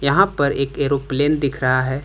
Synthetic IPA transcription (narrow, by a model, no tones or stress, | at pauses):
jɐɦãpɐɾeːkeːɾopleːnd̪ɪkʰɾɐɦaɦɛː